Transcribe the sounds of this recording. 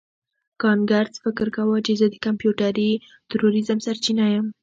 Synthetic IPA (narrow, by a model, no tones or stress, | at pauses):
kɑŋɡaɾsfɪkɾkawət͡ʃezəd̪əkampjuʈaɾi | t̪ɾoɾizəmsaɾt͡ʃinajəm